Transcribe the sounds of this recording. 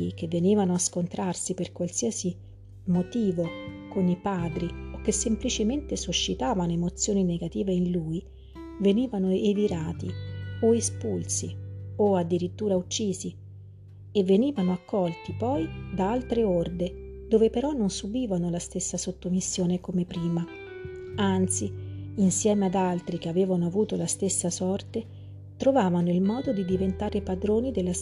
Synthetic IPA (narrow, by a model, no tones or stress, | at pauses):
ik̟evːeniːvanoaskont̪ɾarsiperkwalsiːasi | mot̪iːvokonipaːd̪ɾiokːesːemplit͡ʃement̪esuʃːit̪aːvanoemot̪sːjoːnineɡat̪iːveinluːi | veniːvanoeviɾaːt̪ioespulsioad̪ːiɾit̪ːuːɾaut͡ʃːiːzi | eveniːvanoakːɔlt̪ipɔjd̪aalt̪ɾeord̪ed̪oːvepeɾɔnːonsubiːvanolast̪esːasot̪ːomisːjoːnekomepɾiːma | ant̪siːnsjɛːmead̪alt̪ɾikeaveːvanoavuːt̪olast̪esːasɔrt̪e | t̪ɾovaːvanoilmɔːd̪od̪id̪ivent̪aːɾepad̪ɾoːnid̪elːa